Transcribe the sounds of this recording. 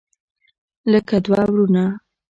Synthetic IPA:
ləkad̪wɑwɾuna

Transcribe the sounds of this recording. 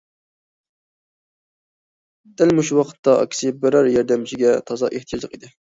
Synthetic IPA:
d̪̥ælmuʃuwɑqʰə̥t̪ːɑʔɑ̰kʲʰːsɨbɪɾɑɾjɛɾd̪ɛmt͡ʃʰiɡʲɛt̪ʰɑzɑ̰ʔeht̪ʰjɑzəqid̪ɪ

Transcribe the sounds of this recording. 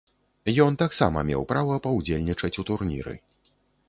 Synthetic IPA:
jɔnt̪aksa̰mɐ̰mʲɛ̰wpɾavɐpɐwd͡zʲelʲnʲit͡ʂɐt͡sʲut̪urnʲḭɾɨ̰

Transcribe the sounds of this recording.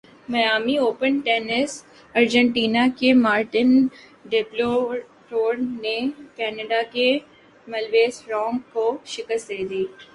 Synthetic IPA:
mɐjaːmioːpənʈɛːnɪs | ɐɾd͡ʒə̃ɳʈiːnakemaːɾʈɪn | ɖɪplo | ʈoːɾnekɛːnəɖake | mɐlʋeːsɾɔ̃ːŋɡkoʃɪkəst̪̚d̪eːd̪iː

